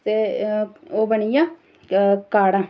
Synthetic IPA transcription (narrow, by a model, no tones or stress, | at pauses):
t̪eː | oːbəɳijãː | kaːɽãː